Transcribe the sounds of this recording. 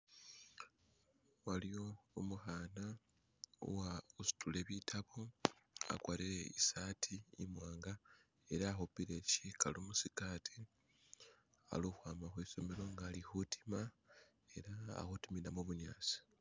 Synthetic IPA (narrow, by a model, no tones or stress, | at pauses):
walio̞ːmuxaːna | o̰wausu̥tʰule̞βitʰaβoa̰kwaːliɾe̞ḭsaːtʰiḭmwaːŋɡa | e̞ɾaːxupile̞cikʰalomusikaːtʰi | a̰luxwaːmaxwiso̞me̞ɾo̞ŋɡaːlixutʰi̥ma | e̞ɾa̰ːxutiminamuβuɲaːt͡si̥